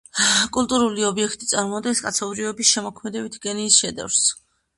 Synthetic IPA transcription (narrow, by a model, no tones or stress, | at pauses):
kʼulˠt̪ʼuɾuliɔbiɛkʰt̪ʼit̪sʼaɾmɔd̪ɡɛnskʼat̪sʰɔbɾiɔbisʃɛmɔkʰmɛd̪ɛbit̪ʰɡɛniːsʃɛd̪ɛ̰vɾs